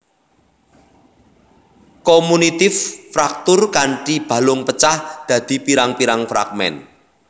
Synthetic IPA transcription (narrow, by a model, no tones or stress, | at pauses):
komunit̪ɪfːɾak̚t̪ʊrkaɳʈib̥a̤lʊŋpət͡ʃahd̪̥ä̤d̪̥i̤piɾaŋpiɾaŋfɾa̰ɡ̚mɛ̰n